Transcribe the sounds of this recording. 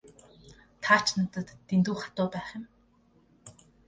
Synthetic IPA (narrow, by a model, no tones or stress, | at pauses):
t̪ʰaːr̥t͡ɕnʊt̪ə̆t̪ːent̪uːχat̪ʊːpæːχɪ̆m